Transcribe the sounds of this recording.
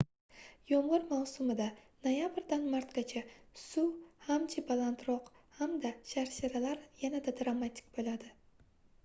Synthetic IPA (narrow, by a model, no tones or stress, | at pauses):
jɒɴʁɨɾmawsʊmɪd̪a | nojabɾd̪anmaɾt̪ɡʲat͡ʃʰasʊhamt͡ʃʰabalant̪ɾɒqhamd̪aʃaɾʃaɾalaɾjanad̪ad̪ɾamat̪ʰʲɪ̥kʲbolad̪ɪ